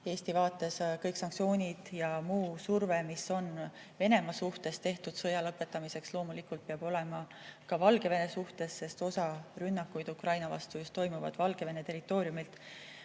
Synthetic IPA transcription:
e̞ːst̪ivɑːt̪ːˑe̞skɤjksɑŋkt̪sio̞ːnʲid̪̥jɑmuːsurve̞miso̞n | ve̞ne̞mɑsuht̪e̞st̪e̞ht̪ud̪̥sɤjɑlɤpːˑe̞t̪ːˑɑmise̞kslo̞ːmulikːˑult̪̚peɑb̥o̞le̞mɑ | kɑvɑlɡ̥e̞ve̞ne̞suht̪e̞sːe̞st̪o̞sɑrynːɑkːˑujd̪ukrɑjnɑvɑ̰st̪ujust̪o̞jmuvɑ̰d̪̥vɑlɡ̥e̞ve̞ne̞t̪e̞ɾit̪ːˑo̞ːɾjumilt̪

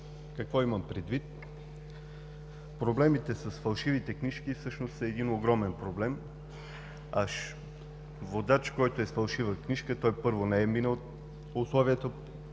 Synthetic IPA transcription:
kɐkvɔimɐmpɾɛd̪vit̪ | pɾoblɛmit̪ɛsɐsfɐlˠʃivit̪ɛkniʃkifsɤʃnost̪ɐːd̪inoɡɾɔmɛnpɾoblɛm | aʃ | vod̪at͡ʃkɔjt̪oɛsfɐlˠʃivəkniʃkət̪ɔjpɤɾvonɛɛminəl | ʊslˠɔviət̪ə

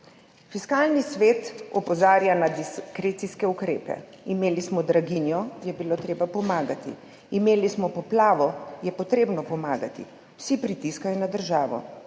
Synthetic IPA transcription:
fiskaːlnisʋeːt̪ɔpɔzaːɾjanad̪iskɾeːt̪siskɛukɾeːpɛ̰imeːlismɔd̪ɾaɡinjɔjɛbiloːt̪ɾeːbapɔmaːɡat̪ḭ | imeːlismɔpɔplaːʋɔjɛpɔt̪ɾeːbnɔpɔmaːɡat̪ḭ | wsipɾit̪iskajɔnad̪əɾʒaːʋɔ̰

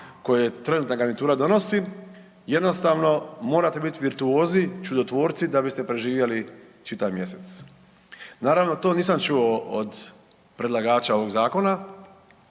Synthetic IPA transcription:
ko̞jeet̪ɾe̞nuːt̪naɡanit̪uːɾad̪o̞no̞si | je̞d̪no̞st̪aʋno̞mo̞ːɾat̪ebit̪iʋiɾt̪uoːznit͡ʃud̪ot̪ʋo̞ːɾt̪sid̪abist̪e̞pɾe̞ʒiːʋjeli | t͡ʃit̪aʋmje̞se̞t̪s | naːɾaʋno̞t̪o̞ːniːsamt͡ʃuood̪ | pɾe̞d̪lˠaɡaːt͡ʃao̞ʋo̞ɡzaːko̞na

